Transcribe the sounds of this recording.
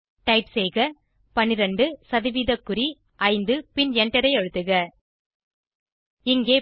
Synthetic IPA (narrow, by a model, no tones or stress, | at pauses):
ʈɐɪpsɛjɣɐ | pɐnɪɾɐɳɖɯsɐðɪʋiːðɐkːɯɾi | ʔɐɪnd̪ɯpɪnɛɳʈːɐɾɐɪɐɻɯt̪ːɯɣɐ | ɪŋɡeː